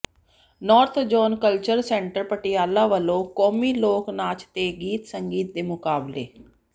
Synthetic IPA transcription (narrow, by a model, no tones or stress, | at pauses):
nɔːɾt̪ʰd͡ʒɔːnkəlt͡ʃəɾsɛ̃ːɳʈəɾpəʈɪjaːlaːʋəlõːkɔːmiːloːknaːt͡ʃt̪eːɡiːt̪səŋɡiːt̪̚d̪eːmʊkaːbleː